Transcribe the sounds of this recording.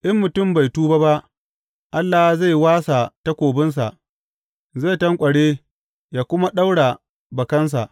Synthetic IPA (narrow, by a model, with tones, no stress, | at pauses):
ʔɪ˦mːʊ˨tʊ˦˨mba˨jtuː˦ba˦ba˦ʔ | ʔa˦lːa˨za˦˨jwaː˦sa˨ta˦kʷoː˨bɪ˦ns̬a˨ʔ | ze˦˨tɐ˦ŋkʷʼɐ˨ɽeː˦ | jaː˨kʷʊ˦ma˦ɗa˦wɽa˨ | bɐ˨kɐ˦ns̬a̰˨ʔ